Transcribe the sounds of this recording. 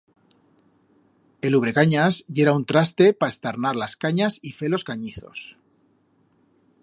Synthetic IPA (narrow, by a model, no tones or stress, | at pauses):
e̞luβ̞ɾe̞kaɲazʝe̞ɾaunt̪ɾast̪e̞pae̞st̪aɾnaɾlaskaɲasife̞lo̞skaɲiθo̞̰s